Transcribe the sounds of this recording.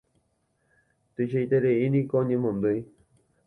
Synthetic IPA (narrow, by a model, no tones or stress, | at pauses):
t̪ɨʃejt̪eɾeinĩkooɲẽmõnd̪oj